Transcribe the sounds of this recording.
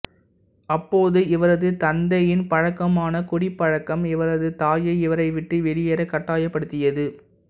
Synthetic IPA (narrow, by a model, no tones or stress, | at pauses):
ɐpːoːðɯɪʋɐɾɐðɯt̪ɐnd̪ɐjɪnpɐɻɐkːɐmaːnɐkʊɽɪpːɐɻɐkːɐmɪʋɐɾɐðɯt̪aːjɐɪʋɐɾɐɪʋɪʈːɯʋɛlɪjeːɾɐkːɐʈːaːjɐpːɐɽɯt̪ːɪjɐðɯ